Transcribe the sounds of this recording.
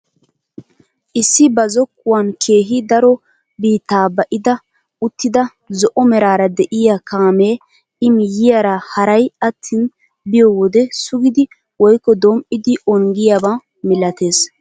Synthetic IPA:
ʔɪsːɪbɐzɔkːʊwankʰe̞ːɦɪd̪ɐɾɔ | biːt̪ːaːbɐʔɪd̪ɐ | ʊt̪ːɪd̪ɐ | zɔʔɔmɛɾaːɾɐd̪ɛʔɪjakʰaːme̞ː | ɪmjɪjaɾɐhɐɾɐjɐt̪ʰːin | bɪjɔːwɔd̪ɛsʊɡɪd̪ɪ | wɔjkːɔd̪ɔmʔɪd̪ɪʔɔŋɡɪjaba | mɪlɐt̪e̞ːs

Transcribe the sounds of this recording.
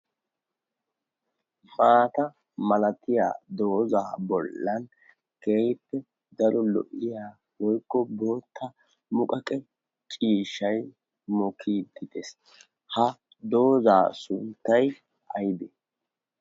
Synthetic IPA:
maːt̪ɐ | mɐlɐt̪ɪja̰ːd̪o̞ːzaːbɔlːɐn | keːjɪpːɛ | d̪ɐɾɔlɔ̰ʔɪjaː | wɔjkːɔbo̞ːt̪ʰːɐ | mʊkʼɐkʼɛ | t͡ʃʼiːʃːɐj | mɔkʰiːd̪ɪt̪es | hɐ | d̪o̞ːzaːsʊnt̪ːɐj | ʔɐjɪd̪ɛ

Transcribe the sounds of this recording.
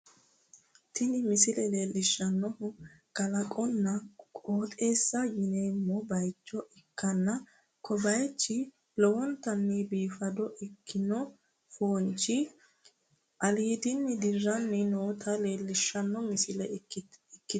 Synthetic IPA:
t̪ɪnɪmɪsɪlɛleːlːɪʃːɐnːɔhʊkɐlɐkʼɔnːɐkʼoːt̪ʼe̞ːsːɐɡɪnejmɔbɐjt͡ʃːɔʔɛkːɐnːɐ | kʰɔbɐjt͡ʃːɪ | lɔwɔnt̪ɐnːibiːfɐd̪ɔʔɛkːɪnɔ | foːnt͡ʃːɪ | ʔɐliːd̪ɪnːɪd̪ɪrːɐnːɪnoːt̪ʰɐleːlːɪʃːɐnːɔmɪsɪlɛɛkːɪ

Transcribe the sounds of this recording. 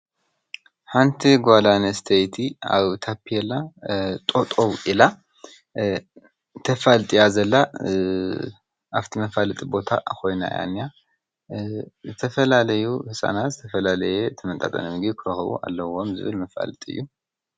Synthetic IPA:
ħant̪ʰiɡʷalanɐst̪ʰejt̪ʰia̰βt̪ʰapʰːijɛlːat̪ʼo̞t̪ʼowʔila | t̪ʰɐfalt̪ʼijazɐlːa | ʔaft̪ʰimɐfalɨt̪ʼibo̞t̪ʰa̰kʰo̞jna̰ja̰nːja | zɨt̪ʰɐfɐlalɐjuhɨsʼa̰nat̪zɨt̪ʰɐfɐlalɐjet̪ʰɐmɐnt̪ʼa̰t̪ʼɐ̰nɐmɨɡikʰɨɾɐxβṵʔa̰lːɐwo̞mzɨ̰βɨlmɐfa̰lɨt̪ʼiɨ̰jːu

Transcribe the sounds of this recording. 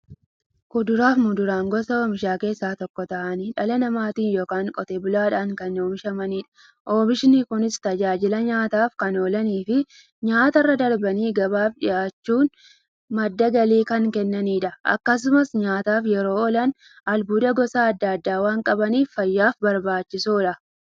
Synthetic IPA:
kʊd̪ʊɾaːfmʊd̪ʊɾaːŋɡɔsɐoːmɪʃaːke̞ːsːaːt̪ɔkːɔt̪ɐʔɐniːᶑɐlɐnɐmaːt̪iːnjo̞ːkaːŋkʼɔt̪eːbʊlaːᶑaːŋkɐnoːmɪʃɐmɐniːᶑɐ̥ | ʔo̞ːbɪʃɪnikʊnɪst̪ɐd͡ʒaːd͡ʒɪlɐɲaːt̪aːfkɐno̞ːlɐniːfɪ | ɲaːt̪ɐrːɐd̪ɐɾbɐniːɡɐbaːfᶑɪ̰jaːt͡ʃːuːn | mɐd̪ːɐɡɐliːkɐŋkɛnːɐniːᶑɐʔɐ̰kːɐs̬ʊmɐsɲaːt̪aːfjɛɾo̞ːɔlɐn | ʔɐlbuːd̪ɐɡɔsaːɐd̪ːɐɐd̪ːaːwaːŋkʼɐbɐniːfːɐjːaːfbɐɾbaːt͡ʃːɪsoːᶑɐ

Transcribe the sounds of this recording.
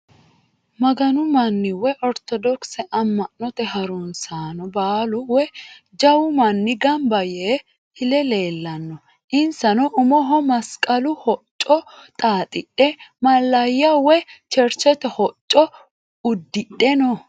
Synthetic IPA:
mɐɡɐnʊmɐnːɪwɛʔɔɾt̪ɔd̪ɔksɛʔɐmːɐʔnːɔt̪ɛhɐɾʊnsaːnɔbaːlʊwɛ | d͡ʒɐwʊmɐnːɪɡɐmbɐjeː | hɪlɛle̞ːlːɐnːɔ | ʔɪnsɐnɔʔʊmɔɦɔmɐskʼɐlʊhɔt͡ʃʼːɔt̪ʼaːt̪ʼɪɗɛmɐlːɐjɐwɛt͡ʃɛɾt͡ʃɛt̪ɛhɔt͡ʃʼːɔ | ʊd̪ːɪɗɛnɔ

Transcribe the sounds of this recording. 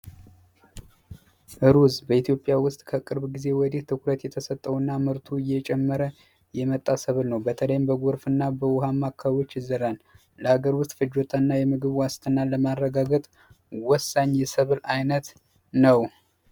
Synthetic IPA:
ʔɨɾuzbəit̪ʰjo̞pʼːjawʊst̪ʼkʰəkʼɨɾbɡize̞wɔd̪iht̪ʰɨkɾət̪jɛt̪ʰəsət̪ʼːəwnːamɨɾt̪ʰuɨjːɛt͡ʃʼɛmːəɾə | jɛmət̪ʼːasəβɨlnəwbət̪ʰələjɪmbəɡo̞ɾfɨnːabəwʊɦamːakʰːaβot͡ʃːɨzəɾan | ləhaɡəɾwʊst̪ʼfɨd͡ʒo̞t̪ʰʼənːajɛmɨɡɨβwast̪ʰənalːəmarːəɡaɡət̪ʼ | wɔsːaɲːjɛsəβɨlajnət̪ | nəw

